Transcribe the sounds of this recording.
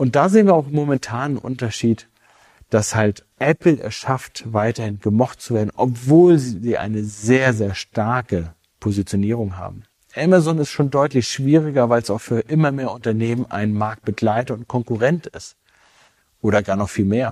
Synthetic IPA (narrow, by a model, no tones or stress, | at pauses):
ʔʊnt̚d̥aːzeːənviːɐaʊxmomɛntʰaːnnʔʊ̰ntɐʃiːt | d̥ashaltʔɛpl̩ʔɛ̰sʃaftvaɪtɐhɪnɡəmɔχtt͡suveːɐdn̩ʔɔpv̥oːlziziːʔa̰ɪnəzeːɐzeːɐʃtaɐkə | pʰozit͡sjoniːʁ̞ʊŋɦa̰ːbm̩ | ʔɛmazɔnɪstʃoːndɔʏtlɪçʃv̥iːʁ̞ɪɡɐvaɪlsaʊxfyːɐʔɪmɐmeːɐʊntɐneːmənʔa̰ɪnmaɐk̚t̚b̥əɡlaɪtɐʊnt̚kʰɔŋkuʁɛntɪst | ʔoːɾɐɡaːɐnɔχfiːlmeːɐ